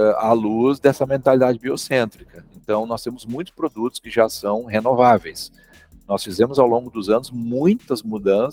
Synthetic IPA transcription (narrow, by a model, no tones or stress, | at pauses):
ɛaluzd̪ɛsɐmẽnt̪alid̪ad͡ʒɪbiosẽnt̪ɾikɐẽnt̪ɐ̃w̃nɔst̪ẽmʊzmũj̃t̪ʊspɾod̪ut̪ʊ̥skɪʒasɐ̃w̃ɦenovavejs | nɔsfizẽmʊzawlõɡʊd̪ʊzɐ̃nʊzmũj̃t̪ɐzmud̪ɐ̃s